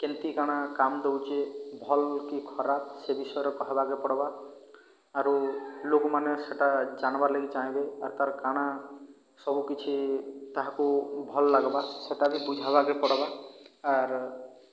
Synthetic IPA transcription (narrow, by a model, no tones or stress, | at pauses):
kent̪ikaɽ̃akamd̪ewt͡ʃebʱɔlkikʰɔɾap̚sebisɔjɔɾɔkɔɦebakepɔɽɔbaː | ɾulokmaneseʈad͡ʒaɽ̃baɾleɡit͡ʃaɦĩbeaɾt̪aɾkaɽ̃a | sɔbukit͡ʃʰit̪aɦakubʱɔlːaɡbaseʈabibud͡ʒʱabakepɔɽɔbaː | ɾ